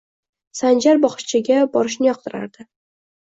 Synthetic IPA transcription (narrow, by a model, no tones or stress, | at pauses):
sand͡ʒaɾbɒχʃt͡ʃʰɪɡʲabɒɾɪʃnɪjɒq̚t̪ɪɾa̰ɾd̪̥ɪ